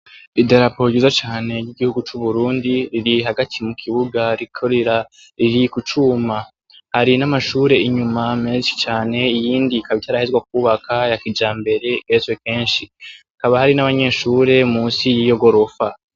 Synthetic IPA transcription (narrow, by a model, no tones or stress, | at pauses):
ideɾapo̞ɟizat͡ʃaːne̞ɾɟiɡihuɡut͡ʃuβuɾuːndiɾiɾiɦaɡatʰimukʰiβuɡaɾikʰoɾeɾa | ɾiɾikut͡ʃuma | haɾinamaʃuːɾe̞iɲumameʃi̥t͡ʃaːne̞ijiːndikʰaβitaɾahezɡwak̚uːβakajakid͡ʒaːmbe̞ɾe̞ɡesweke̞ːnʃiakaβahaɾinaβaɲe̞ːʃuːɾe̞muːsijiːjo̞ɡo̞ɾofa